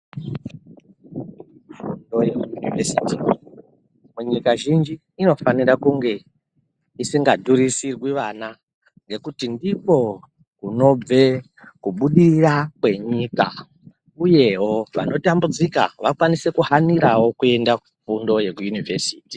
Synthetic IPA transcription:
fundo̞jekujunivesiti | muɲikaʒind͡ʒiːno̞faniɾakuŋɡe̞ | isiŋɡadʱuɾisirwiʋana | ŋɡe̞kutindipo̞ | kuno̞b͡ve̞ | kuɓuɗiirakwe̞ɲika̰ | uje̞ɦoʋa̰no̞tambud͡zika̰ʋakwanise̞kuhaniɾawo̞kue̞ndakufundo̞je̞kujunivesiːti

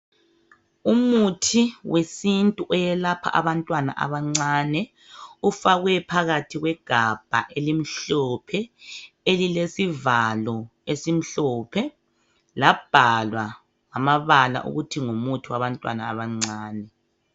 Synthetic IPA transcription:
umutʰiwesintʼuʔɔjɛlapʰa̰ʔaβantʼwana̰ʔa̰βaŋ͡ǀaːnɛ | ufaɣwɛpʰaɣatʰiɣwɛɡ̥ʱab̥ʱa̰ʔelim̩ɬɔpʰɛ | elilesivalɔesim̩ɬɔːpʰɛ | lab̥ʱalwa | ŋamaβala̰ʔṵɣutʰiŋumutʰiwaβantʼwa̰na̰ːβaŋ͡ǀaːnɛ

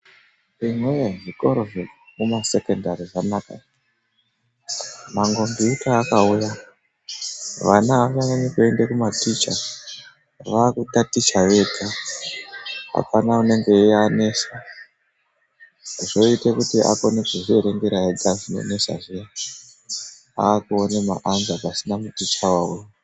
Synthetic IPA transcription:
rimweʐiko̞ɾo̞ʐemumase̞kendaɾiʐanaka̰ | maŋɡo̞mbiutaːkauja | ʋanaːʋanaɲekue̞ndekumatit͡ʃa̰ | ʋaːkutatit͡ʃaʋe̞tʰa | a̰panaune̞ŋɡe̞iane̞sa | ʐo̞itekutiʔa̰konekuʐieɾeŋɡeɾaeɡaʐino̞̰ne̞sa̰ʐea | aːkuone̞maʔanzapasinamutit͡ʃawaṵja

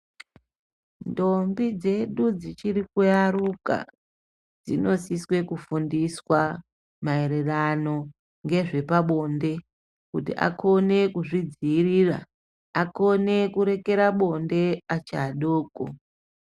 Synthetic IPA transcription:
ndo̞mbid͡ze̞ɗud͡zit͡ʃiɾikujaɾuka̰ | d͡zḭno̞siswe̞kufundiswa | maeɾerano̞ | ŋɡe̞ʐe̞paɓo̞nde̞ | kutḭʔa̰kʰo̞ne̞kuʐid͡ziːriːra̰ | ako̞ne̞kuɾe̞ke̞ɾaɓo̞nde̞at͡ʃaɗoːko̰

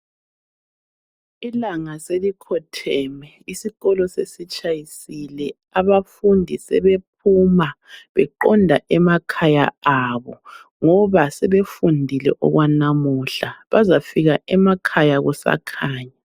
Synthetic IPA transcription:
ilaŋaselikʰɔtʰɛmɛ | isiɣɔlɔsesit͡ʃʼajisilɛ | aβafundʱisɛ̰βep̚ʰumaβɛǃɔndʱaʔɛmakʰajaaβɔŋɔβasɛβefundʱilɛ̰ʔɔ̰ɣwanamuɬaβazafiɣaʔɛmakʰajaɣusa̰kʰaːɲa

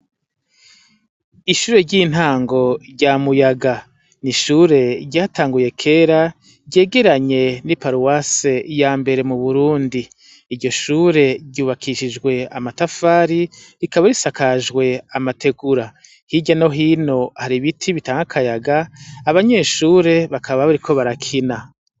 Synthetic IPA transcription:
iʃuːɾe̞ɾɟiːn̥haːŋɡo̞ɾɟamujaɡa | niʃuːɾe̞ɟaːtaːŋɡuje̞kʰe̞ːɾa | ɟe̞ːɡe̞ɾaɲe̞nipaɾuwasejaːmbe̞ɾe̞muβuɾuːndiː | ɾɟo̞ʃuːɾe̞ɟɟuːβakʰiʃid͡ʒɡwe̞amatafaːɾi | ɾikaβaɾisakaʒɡwe̞amatʰe̞ɡuɾa | hiɟano̞ɦino̞haɾiβitʰiβitaːŋɡakʰajaɡaːβaɲe̞ːʃuːɾe̞βakʰaβaβaɾikʰo̞βaɾakʰina

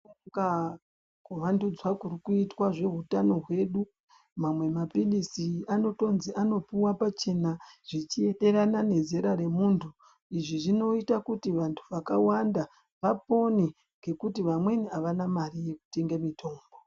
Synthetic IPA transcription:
ɡa | kuʋandud͡zwakurikuitwaʐe̞ɦutano̞ɦwe̞ɗu | mamwe̞mapilisiano̞to̞nziʔano̞puwapat͡ʃe̞naʐ̥it͡ʃie̞ɗe̞ɾanane̞ze̞ɾaɾe̞muntʰu | iʐiʐino̞itakutiʋantʰu̥ʋakawanda | ʋapo̞ne | ŋɡe̞kutiʋamwe̞niaʋanamarije̞ku̥te̞ŋɡamitʰo̞ːmbo

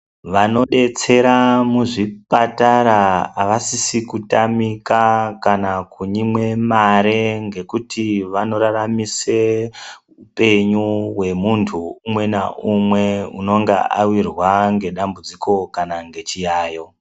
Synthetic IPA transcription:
ʋano̞ɗe̞t͡se̞ɾamuʐipataɾaːʋasisikutamikakanakuɲimwe̞maɾeŋɡe̞kutʰiʋano̞ɾaɾamise | upe̞ɲuwe̞muntʰuumwe̞naʔumwe̞uno̞ŋɡḛʔa̰wirwaŋɡe̞ɗambud͡ziko̞kanaŋɡe̞t͡ʃijaːjo̞

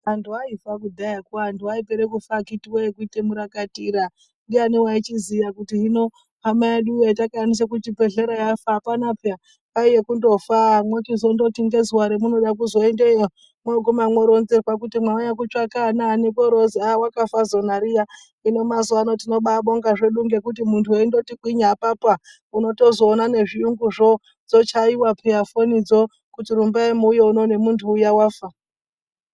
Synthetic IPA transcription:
antuaifakudʱajakantuwaipeɾekufakitiwejekuitemuɾakatiːɾa | ndianewait͡ʃizijakutiɦino | amaeɗujaitakanis̬akut͡ʃipeɮeɾajafapanapja | aijekundo̞famwekizondo̞tiŋɡezwaɾemuno̞ɗak̬uzo̞endeo | mwoɡʱumamwo̞ɾonzerwak̬utimwaoɲak̬ut͡ʃakanaːnekoɾoziawakafazo̞naɾija | ino̞mazuano̞tino̞ɓaɓo̞ŋɡaʐe̞ɗuŋɡe̞kut̬imuntʰueindo̞tikwiɲapapa | uno̞to̞zo̞ːnane̞ʐiuŋɡuʐo | d͡zo̞t͡ʃaiwapʰeafonid͡zo | kutiɾumbaemuːjeuno̞ne̞muntʰuːjawaːfa

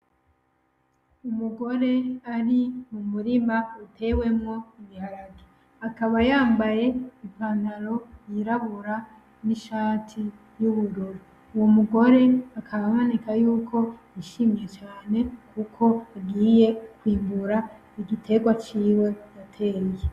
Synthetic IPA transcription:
umuɡo̞ɾe̞aɾimumuɾimautʰe̞we̞mŋo̞iβihaɾaɡi̥ | akaβajaːmbaje̞ipaːnaɾo̞jiɾaβuɾa | niʃaːtʰi | juβuɾoɾu | uwomuɡo̞ɾe̞akʰaβamo̞nekajuːkʰo̞ | iʃimje̞t͡ʃaːne̞kʰukʰo̞aɡiːje̞kwiːmbuɾa | iɡitʰe̞ɡwat͡ʃiːwe̞datʰe̞ːɲje

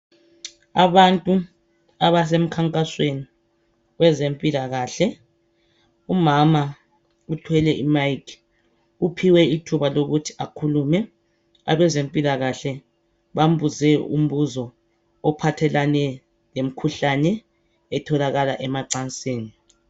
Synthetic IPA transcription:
aβantʼu | aβas̬em̩kʰaŋkʼasweni | ɣɛzempʼilaɣaːɬɛ | umama | utʰwɛlɛʔimajkʰ | upʰiwɛitʰuβaloɣutʰi̥akʰulumɛ | a̰βɛzempʼilaɣaɬɛ | βam̩ɓuzɛṵm̩βuzɔ | ɔpʰatʰɛlanɛ | lem̩kʰuɬanɛ | ɛtʰɔlaɣalaʔɛmaǀant͡sʼeːni

